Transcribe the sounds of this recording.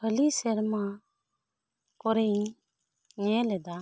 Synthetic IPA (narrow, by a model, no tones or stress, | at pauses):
əlisɛɾma | kɔɾɛj | ɛɛlɛd̪a